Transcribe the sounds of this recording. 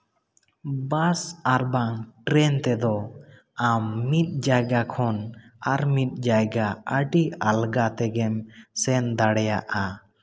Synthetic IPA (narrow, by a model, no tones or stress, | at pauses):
basaɾbaŋʈɾɛnt̪ɛd̪ɔ | amːit̪̚ˀd͡ʒajɡakʰɔnaɾmit̪̚ˀd͡ʒajɡaəɖialɡat̪ɛɡɛmsɛnd̪aɽɛja̰ʔa